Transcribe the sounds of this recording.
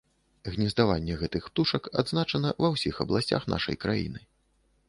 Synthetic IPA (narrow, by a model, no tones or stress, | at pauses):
ɣnʲizd̪avanʲːɛɣɛt̪ɨxp̚t̪uʂɐka̰d̪znat͡ʂɐnɐvɐwsʲixɐblˠasʲt͡sʲa̰xn̪ʔa̰ʂɐ̰jkɾa̰jḭnɨ